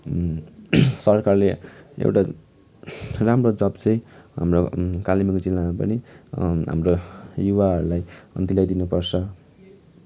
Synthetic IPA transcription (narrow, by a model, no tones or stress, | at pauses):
sʌrkarleḛwʈa | ramrod͡zʌbt͡sʌj̃ɦa̰mrokalimikd͡zilnamapʌ̰niɦa̰mrojuβaɦʌɾulajʌ̰nt̪ilajd̪inupʌrt͡sʰʌ